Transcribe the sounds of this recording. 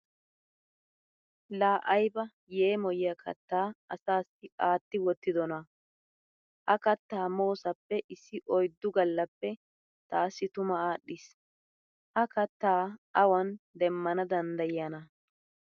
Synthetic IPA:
laːʔɐjbɐ | je̞ːmɔjɪjɐkʰɐ̰t̪ːaːɐsaːsɪaːt̪ːɪwɔt̪ːɪd̪ɔnɐ | ʔɐkɐt̪ːaːmoːsɐpːɛʔɪsːɪʔɔjd̪ːʊɡɐlːɐpːɛ | t̪aːsːɪt̪ʊmɐaːɗːɪs | ʔɐkɐt̪ːaːʔɐwɐnd̪ɛmːɐnɐd̪ɐnd̪ɐjɪɐnɐ

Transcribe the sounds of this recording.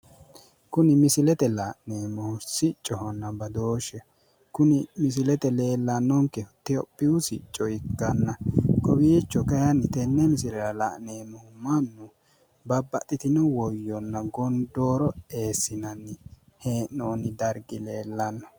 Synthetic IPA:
kʊnɪmɪsɪlɛt̪ɛlaʔneːmːɔhʊsɪt͡ʃʼːɔhɔnːɐbɐd̪oːʃɛ | kʊnɪmɪs̬ɪlɛt̪ɛle̞ːlːɐnːɔŋkːɛt̪ɪɔpʼːɪʊsɪ̰t͡ʃʼːɔjɪkːɐnːɐkɔbiːt͡ʃːɔkɐjɐnːɪt̪ɛnːɛmɪsɪlɛɾɐla̰ːʔneːmɔhʊmɐnːʊ | bɐbːɐt̪ʼːɪt̪ɪnɔwɔjːɔnːɐɡɔnd̪oːɾɔe̞ːsːɪnɐnːɪ | heːnːoːnɪd̪ɐɾɡɪleːlːɐnːɔ

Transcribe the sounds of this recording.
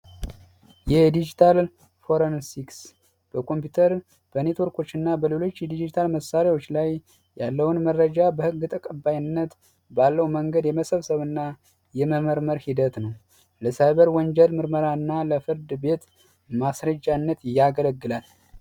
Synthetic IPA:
jɛd̪id͡ʒit̪ʰal | fo̞ɾənsiks | b̥əkʰo̞mpjut̪ʰəɾ | b̥əne̞t̪wo̞ɾkʰo̞t͡ʃːɨnːabəle̞lo̞t͡ʃːjɛd̪id͡ʒit̪ʰalməsaɾiwo̞t͡ʃːlajː | alːəwunmərːəd͡ʒabəhɨɡːɨt̪ʼəkʼəbːajɪnːət̪ | balːəwməŋɡəd̪jɛməsəβsəβɨnːa | jɛməməɾməɾhid̪ət̪nəw | ləsajβəɾwɔnd͡ʒɛlmɨɾməɾaɨnːaləfɨɾd̪be̞t̪ | masɾəd͡ʒːanːət̪jːaɡələɡːɨlal

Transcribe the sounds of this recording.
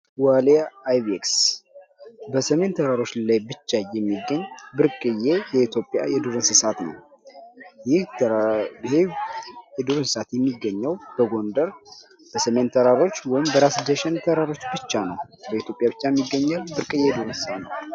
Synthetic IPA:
walaːjβeks | bəsəme̞nt̪ʰəɾaɾo̞t͡ʃːlajbɨt͡ʃːajɛmːiɡːəɲːbɨɾkʼɨjejɛit̪ʰjo̞pʼja̰jɛd̪uɾɨnsɨsat̪nə̰w | jɪh | ejɛd̪uɾɨnsɨsat̪jɛmːiɡːəɲːəwb̥əɡo̞nd̪əɾ | b̥əsəme̞nt̪ʰəɾaɾo̞t͡ʃːwɔjɪmbəɾasd̪əʃɛnt̪ʰəɾaɾo̞t͡ʃːbɨt͡ʃːanəwbəit̪ʰjo̞pʼjabɨt͡ʃːajɛmːiɡːəɲːalbɨɾkʼɨjɛd̪uɾɨnsɨsat̪nə̰w

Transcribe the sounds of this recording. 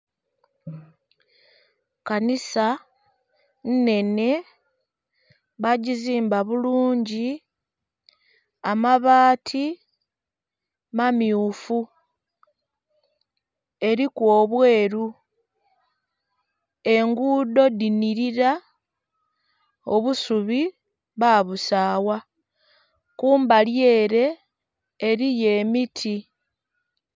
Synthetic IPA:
kanisa | nne̞ne̞ | βaɟiziːmbaβuluːɲɟi | amaβaːtʰi | mamjuːfu | e̞ɾikwo̞ːβwe̞ːɾu | e̞ŋɡuːdo̞diniɾiɾa | o̞βusuβi | βaβusaːwa | kuːmbalje̞ːɾe̞ː | ɾije̞mitʰi

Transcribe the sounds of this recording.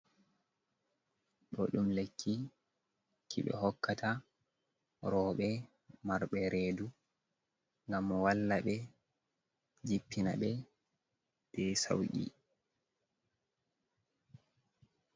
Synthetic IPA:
ɓɔɗumlekʰːi | kʰiɓɛ̰ɦɔkːatʰa | ɾɔːɓɛ | maɾɓɛɾʔeːdu | ŋɡamwalːaɓɛ | d͡ʒipːina̰ɓɛ | d̥ɛsa̰wɡḭ

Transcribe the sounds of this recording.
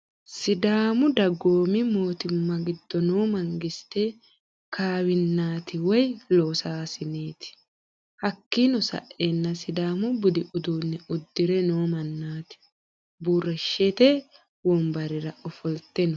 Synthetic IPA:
sɪd̪aːmʊd̪ɐɡoːmɪmo̞ːt̪ɪmːɐɡɪd̪̥ːɔnoːmɐŋɡɪst̪ɛ | kʰaːwɪnːaːt̪ɪwɔjloːsaːsɪneːt̪ɪ̥ | hɐkːinɔsɐ̰ʔenːɐsɪd̪aːmʊbʊd̪ɪʔʊd̪uːnːɛʊd̪ːɪɾɛnoːmɐnːaːt̪ɪ̥ | buːrɛʃːet̪ɛ | wɔmbɐɾɪɾɐɔfɔlt̪ɛnɔ

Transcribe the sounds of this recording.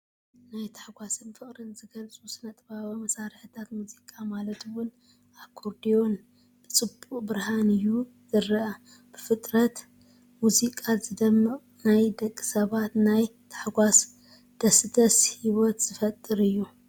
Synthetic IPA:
najt̪ʰḁħɡʷasɨnfɨχʼɾɨnzɨɡɐlt͡sʼusɨnɐt̪ʼɐβaβɐmɐsaɾħɨt̪ʰat̪muzikʼamalɐt̪wʊn | aβkʰoɾd̪ijo̞n | b̥ɨt͡sʼɨbuqʼbɨɾhanɨju | z̥ɨɾɐʔɐ | b̥ɨfɨt̪ʼɾɐt̪ | muzikʼazɨd̪ɐmːɨ | najd̪ɐkʼːɨ̥sɐβat̪najt̪ʰḁħɡʷas | d̪̥ɐsɨt̪ʰɐshiwɔt̪z̥ɨfɐt̪ʼːɨɾɨjːu

